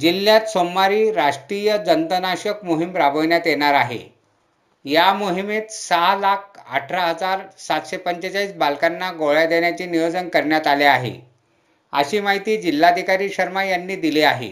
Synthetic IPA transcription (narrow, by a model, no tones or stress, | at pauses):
d͡ʑilːjat̪somːaɾiːɾaʂʈɾijəd͡zənt̪ənaɕəkmuɦimɾabəʋɳjat̪jeɽ̃aɾaɦḛ | jamoɦimet̪salak̚ʰə̰ʈʰɾaɦəd͡zaɾsat̪ɕepəɲt͡ɕət͡ɕaiːsbalkanːaɡoɭjad̪eɳjat͡ɕiːnijod͡zənkəɾɳjat̪aleaɦḛ | ə̰ɕiːmaɦit̪iːd͡ʑilːad̪ʱikaɾiːɕəɾmajanːiːd̪ileaɦḛ